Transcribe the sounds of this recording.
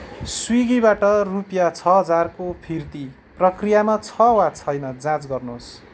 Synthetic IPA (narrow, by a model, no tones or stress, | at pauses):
swiɡibaʈʌrupjat͡sʰʌɦʌd͡zarkopʰirt̪i | prʌkrijamat͡sʰʌwat͡sʰʌjnʌd͡zãt͡sɡʌrnos